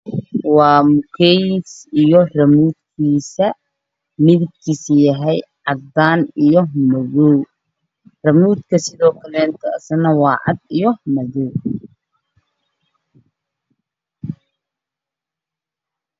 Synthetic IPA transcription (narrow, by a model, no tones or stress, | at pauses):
wɑːmʊkʰɛjsijɔrɐmuːd̪̚kʰiːsɐ | mɪðɪk̚kʰiːsjɐɦɛjʕɑd̪aːnijɔmɐðɔw | rɐmuːd̪kʰɐsɪðɔːkʰɐlɛːnt̪ʰɐːsɐnɐwɑːʕɑ̰d̪ijɔmɐðɔw